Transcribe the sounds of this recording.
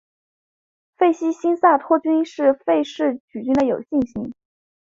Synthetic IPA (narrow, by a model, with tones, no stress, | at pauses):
fe˥˩ɪɕi˥ɕi˥nsa˥˩t̪ʰwɔ˥t͡ɕy˥nʂɻ̩˥˧fe˥˧ɪʂɻ̩˥˩t͡ɕy˨˩t͡ɕy˥nd̪ə˨jo˨˩ʊɕi˥˩ŋɕi˧˥ŋ